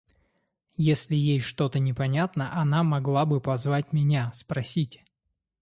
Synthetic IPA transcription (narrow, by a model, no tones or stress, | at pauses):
jesʲlʲɪjejʂt̪o̞t̪ənʲɪpɐnʲat̪nəʔɐnamɐɡlˠabɨpɐzvatʲmʲɪnʲaspɾɐsʲitʲ